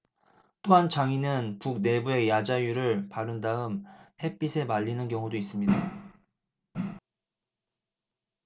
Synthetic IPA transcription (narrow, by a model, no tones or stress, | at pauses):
t͈oɦant͡ɕaŋinɯnpuk̚ne̞bue̞jad͡ʑajuɾɯɭpaɾɯndaɯmhe̞p͈isʰe̞maʎːinɯnkjʌŋudois͈ɯmɲida